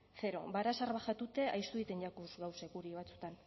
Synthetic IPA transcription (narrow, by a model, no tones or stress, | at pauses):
θe̞ɾo̞̰baɾasaɾβaxat̪ut̪e̞ʔajst̪uðit̪e̞nʎakuzɣawsekuɾiβ̞at͡sut̪an